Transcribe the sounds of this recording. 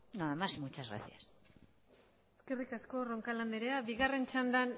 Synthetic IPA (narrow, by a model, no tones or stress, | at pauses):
noðamasmut͡ʃazɣɾa̰θijas | eskerikasko̞ro̞ŋkaland̪eɾeaβiɣare̞nt͡ʃand̪an